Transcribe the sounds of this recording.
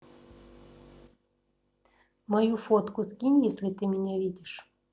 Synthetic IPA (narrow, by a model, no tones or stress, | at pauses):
mɐjufɔt̪kʊskʲinʲjɛsʲlʲɪt̪ɨmʲɪnʲɛvʲidʲɪʂ